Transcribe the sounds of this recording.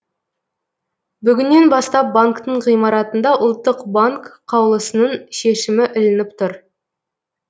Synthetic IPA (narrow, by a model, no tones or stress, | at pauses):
bʏɡʲɪnːe̞nbɑst̪ɑp̚baŋkt̪əɴʁijmɑɾɑt̪ənd̪ɑʔʊlˠt̪ːəqbaŋkqʰːɑwlˠəsənəɴʃe̞ʃɪmɪʔʏlɪnɪp̚t̪ʰʊɾ